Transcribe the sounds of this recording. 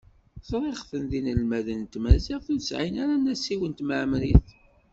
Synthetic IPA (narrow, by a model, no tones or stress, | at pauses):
θɾˤeχθənðinəlmæðənt̪mæziʁθnsʕinæɾanæsiwənt̪məʕmɾiθ